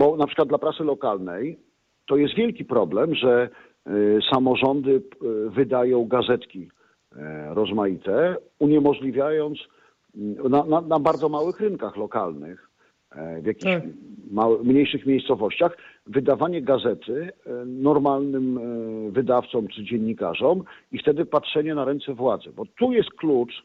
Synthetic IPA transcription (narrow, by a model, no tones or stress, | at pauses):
bɔnapʂkwad̪d̪lapɾat̪sɘlɔkalnɛj | t̪ɔjɛst̪vʲjɛlkʲipɾɔblɛmʐɛ | samɔʐɔnd̪ɘvɘd̪ajɔ̃w̃ɡazɛt̪kʲi | ɾɔzmajit̪ɛ | uɲɛmɔʐlʲivʲjajɔnt̪s | nananabaɾd̪zɔmawɘxɾɘŋkaxlɔka̰lnɘ̰x | vjakʲimawmɲejʂɘxmʲjejst̪sɔvɔɕt͡ɕaxvɘd̪avaɲɛɡazɛt̪ɘnɔɾmalnɘmvɘd̪aft̪sɔmt͡ʂɘd͡ʑɛɲːika̰ʐɔm | ift̪ɛd̪ɘpatʂɛɲɛnaɾɛnt̪sɛvwad̪zɛbɔt̪ujɛst̪̚klut͡ʂ